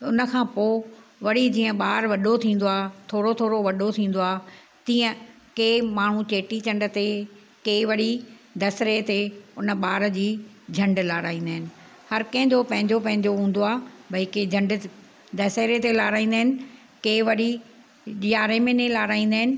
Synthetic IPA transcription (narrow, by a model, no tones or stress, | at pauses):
ʊnəkʰãːpoːʋɐɽid͡ʑĩːə̃ɓaːɾʋɐɗot̪ʰĩːn̆d̪oaːt̪ʰoːɽot̪ʰoːɾoʋɐɗot̪ʰĩːn̆d̪oaː | t̪ĩːə̃ | keːmaːɳ̤ũt͡ɕeːʈit͡ɕɐ̃ɳɖə̆t̪e | keːʋɐɽid̪ʱɐsɾet̪eʊnə̆ɓaːɾd͡ʑiː | d͡ʑʱɐ̃ɳɖlaːɾaːĩːn̆d̪aːɦɪnɪ̆ | hɐɾkɐ̃ɦɪ̃ɲd͡ʑopɐ̃ɦɪ̃ɲd͡ʑopɐ̃ɦɪ̃ɲd͡ʑoɦũːn̆d̪oaːbɐiked͡ʑʱɐ̃ɳɖ | d̪ʱɐseːɾet̪elaːɾaːĩːn̆d̪aːɦɪnɪ̆ | keːʋɐɽi | ɗɪjaːɾemẽnẽlaːɾaːĩnd̪aːɦɪnɪ̆